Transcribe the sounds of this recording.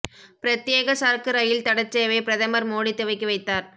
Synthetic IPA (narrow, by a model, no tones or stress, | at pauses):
pɪɾɐt̪jeːɣɐsaːɾkɯɾɐjɪlt̪ɐɽɐt͡ʃːejʋɐɪpɪɾɐðɐmɐɾmoːɽɪt̪ːɯʋɐɪkːɯʋɐɪt̪ːaːɾ